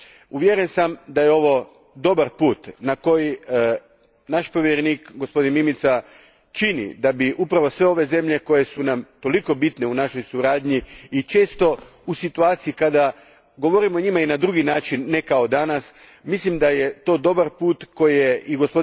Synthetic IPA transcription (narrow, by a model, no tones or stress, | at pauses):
uʋjeɾensamd̪ajeo̞ʋo̞ | d̪o̞baɾpuːt̪nako̞ji | naʃpo̞ʋjeɾeniːkɡo̞spo̞d̪inmimit̪sa | t͡ʃinḭd̪abiʔupɾaʋo̞sʋe̞o̞ʋe̞ze̞mʎe̞ko̞je̞sunamt̪o̞liko̞bit̪ne̞unaʃo̞jsuɾaːd̪ɲiːt͡ʃe̞ːst̪o̞ | usit̪uaːt̪sijikad̪a | ɡo̞ʋo̞ɾimo̞ɲimainad̪ɾuɡinaːt͡ʃinːekao̞d̪anas | mislimd̪aje̞t̪o̞ːd̪o̞baɾpuːt̪ko̞jijeiɡo̞spo̞d̪